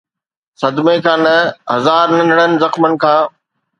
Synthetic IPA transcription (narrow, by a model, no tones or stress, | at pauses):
sɐd̪mekʰãːnɐɦɐzaːɾnɐ̃nɽənɪ̆zɐxmənɪ̆kʰãː